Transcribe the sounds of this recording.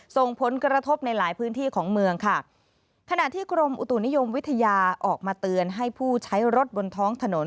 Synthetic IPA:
so˨˩ŋpʰo˩˦nkɾa˧t̪ʰo˦˥p̚na˧jlaː˩˦jpʰɯː˦˥nt̪ʰiː˥˩kʰɔː˩˦ŋmɯ˧əŋkʰa˥˩ | kʰa˧na˨˩ʔt̪ʰiː˥˩kʰɾo˧mʔu˨˩t̪u˨˩ni˦˥jo˧mwi˦˥t̪ʰa˧jaː˧ʔɔː˨˩k̚maː˧t̪ɯ˧ənɦa˥˩jpʰuː˥˩t͡ɕʰa˦˥jɾo˦˥t̪̚bo˧nt̪ʰɔː˦˥ŋt̪ʰa˧no˩˦n

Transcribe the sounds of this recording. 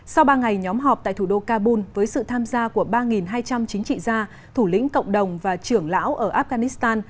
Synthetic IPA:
sa˧wɓaː˧ŋa˨˩jɲɔ˨˦mɦɔ˨˩p̚t̪a̰ː˧˨jt̪ʰu˧˩ɗo˧kaː˧ɓu˧nvəː˨˦jsɨ̰˧˨t̪ʰaː˧mzaː˧ku˧˩əɓaː˧ŋi˨˩nɦaː˧jt͡ɕa˧mt͡ɕï˨˦ŋ̟t͡ɕḭ˧˨zaː˧ | t̪ʰu˧˩lḭ˧˥ŋ̟kə̰˧˨wŋ͡mɗə˨˩wŋ͡mvaː˨˩t͡ɕɨ˧˩əŋla̰ː˧˥wʔəː˧˩ʔaː˦˥p̚ɣaː˧ni˦˥st̪aː˧n

